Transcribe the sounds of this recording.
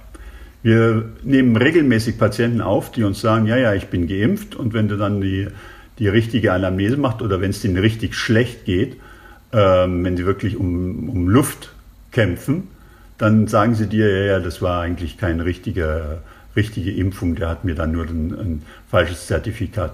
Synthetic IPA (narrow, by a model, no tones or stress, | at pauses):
viːɐneːmənʁeːɡl̩mɛːsɪçpʰat͡sjɛntn̩ʔa̰ʊfd̥iːʊnsz̥aːɡŋ̩jaːjaːɪçb̥ɪnɡəʔɪmftʊntv̥ɛnduːdandiː | d̥iːʁɪçtɪɡəanamneːzəmaχstʔoːdɐvɛnsd̥iːnʁɪçtɪçʃlɛçtɡ̥eːt | ʔɛːmvɛnziːvɪɐklɪçʊmʊmlʊft | kʰɛmp͡fn̩ | d̥anzaːɡŋ̩ziːdiːɐjaːjaːdasv̥aːɐʔaɪɡŋn̩tlɪçkʰaɪnʁɪçtɪɡɐ | ʁɪçtɪɡəʔɪmfʊŋd̥eːɐhatmiːɐdanːuːɐdnn | falʃəst͡sɛɐtifikʰaːt